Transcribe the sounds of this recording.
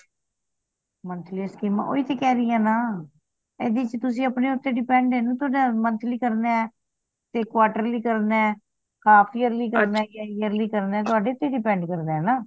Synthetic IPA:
mənt̪ʰliskiːmã̰ʔo̰ːiːt̪eːkɛːɾiːɛ̃ːnaː | eːd̪iːt͡ʃt̪ʊs̬ĩːəpneːʊt̪ːeːɖɪpɛ̃ːɳɖeːnũːt̪ʊaːɖamənt̪ʰliːkəɾneːɛː | t̪eːkwaːʈəɾliːkəɾnɛː | kʰaːpʰiːəɾliːkəɾnɛːjaːəɾliːkəɾneɛːt̪ʊaːɖeːʊt̪ːeːɖɪpɛ̃ːɳɖkəɾd̪eɛːnaː

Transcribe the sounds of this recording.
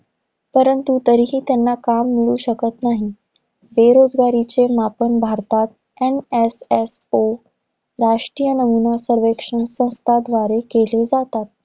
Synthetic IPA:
pəɾənt̪ut̪əɾiɦiːt̪janːakamːiɭuːɕəkət̪naɦi | beɾod͡zɡaɾit͡ɕemapəɳbʱaɾt̪at̪̚ | ɛneseso | ɾaʂʈɾijənəmunasəɾʋekʂənsə̃w̃st̪ʰad̪ʋaɾekeled͡zat̪at̪̚

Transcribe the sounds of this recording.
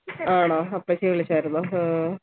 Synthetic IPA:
aːɳoːɐpːeːt͡ɕejʋiɭːit͡ɕːaːɾunːoː

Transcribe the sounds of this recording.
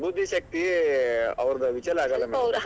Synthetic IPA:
bud̪ʱːiʃɐk̚t̪i | ɐ̰ʋɾɐd̪ɐʋit͡ʃɐlaːɡɐlːɐmɐɾ

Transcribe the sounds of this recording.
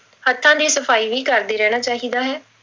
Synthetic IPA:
hət̪ʰːãːd̪iːsəpʰaːiːʋiːkəɾd̪eːɾɛːɽ̃aːt͡ʃaːɦiːd̪aːɦɛː

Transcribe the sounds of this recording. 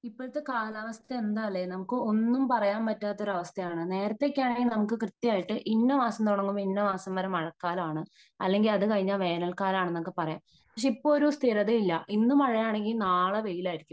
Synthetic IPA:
ipːoːɻɨt̪ːekaːlaːʋɐst̪ʰɐend̪aːlːenɐmukːɨo̞nːumpɐrɐjaːmpɐtːaːt̪ːo̞ɾɐɐʋɐst̪ʰɐjaːɳɨne̞ːɾɐt̪ːe̞kʲːaːɳeŋɡilnɐmukːɨkrɨt̪ːijaːjiʈːɨʔiɳːɐʋaːsɐmt̪oːɳɐŋːumiɳːɐʋaːsɐmʋɐɾɐmɐɻɐkːaːlaːɳɨ | ɐ̰lːe̞ŋɡilɐðɨkɐɻiɲːaːlʋe̞ːnɐlkaːlaːɳɨnːɐmukːɨpɐrɐjaːm | pɐkʂeipːo̞ːɭoɾust̪ʰiɾɐðeilːɐʔinːumɐɻɐjaːɳe̞ŋɡilnaːɭɐʋe̞jilaːjiɾikʲːum

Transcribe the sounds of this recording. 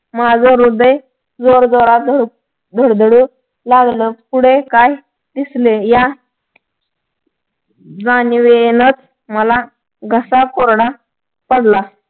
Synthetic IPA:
mad͡zʱəɾud̪əj | d͡zoɾd͡zoɾad̪ʱəɽ | d̪ʱəɽd̪əɽu | laɡləpuɽekaj | d̪isleja | d͡zanʋenət͡s | məla | ɡʱəsakoɾɽa | pəɽla

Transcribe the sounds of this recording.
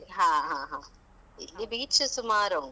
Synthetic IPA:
ɦãːɦãːɦãː | ḭlːibiːt͡ʃɨsumaːɾoŋ

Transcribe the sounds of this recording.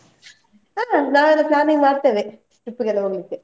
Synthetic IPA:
aːnãːɛnːɐplaːnɪŋmaːɾt̪eːʋẽː | ʈɪpːɯkɐlːɐʊŋɡɐɭɯkːɯ

